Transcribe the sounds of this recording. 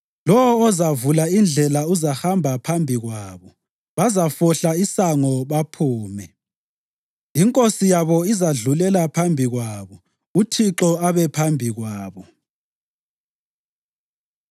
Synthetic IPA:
lɔwɔːzavulaind͡ɮʱɛlauzaxambʱapʰambʱiɣwaːβɔ | βazafɔɬaisaŋɔβapʰuːmɛ | iŋkʼosijaβɔizaɮulɛlapʰambʱiɣwaːβɔ | utʰiǁɔaβɛpʰambʱiɣwaːβɔ

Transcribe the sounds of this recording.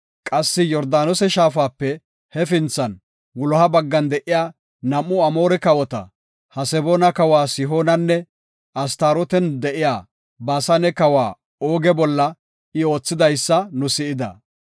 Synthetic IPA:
kʼɐsːɪjɔɾd̪aːnɔsɛʃaːf̬aːpːɛ | hɛfɪnt͡sːɐn | ɡʊlɔhɐbɐɡːɐnd̪ɛʔɪjaː | nɐmːʊɐmoːɾɛkɐwɔt̪ɐ̰ | hɐsɛboːnɐkɐwaːsɪɦo̞ːnɐnːɛ | ɐst̪aːɾɔt̪ɛnd̪ɛʔɪjaː | baːsɐnɛkɐwaː | oːɡɛbɔlːɐ | ɪo̞ːt͡sːɪd̪ɐjsːɐnʊsɪɪd̪ɐ̰

